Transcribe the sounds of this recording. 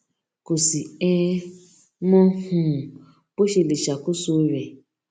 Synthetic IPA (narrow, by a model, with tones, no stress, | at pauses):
kʊ˨si˨ɛ˦ | mɔ˦hʊ̃˦˨ | pʊ˦ʃi˨li˨ʃa˨kʊ˦su˦ɾe˨